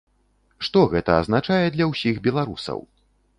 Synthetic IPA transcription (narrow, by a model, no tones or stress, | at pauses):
ʂt̪ɔɣɛt̪ɐ̰ːznat͡ʂajɛd̪lʲɐwsʲiɣbʲɛlˠaɾṵsɐ̰w